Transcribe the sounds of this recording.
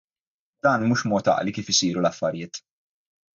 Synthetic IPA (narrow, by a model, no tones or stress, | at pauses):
d̪̥ɐːnmuːʃmɔːt̪ɐ̰ʔlikiːfɪsiːɾulɐfːɐɾjɪːt̪